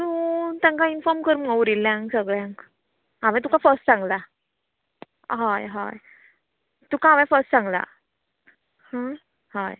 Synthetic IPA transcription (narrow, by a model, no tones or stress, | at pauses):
t̪ut̪jãŋkainfɔɾmkəɾuməwɾilːjãŋɡsəɡɭjãŋk | amɛ̃t̪ũkafəɾsʈsãŋɡla | ɦajɦa̰j | t̪ũkaːʋɛ̃fəɾsʈsãŋɡla̰ | hã | haj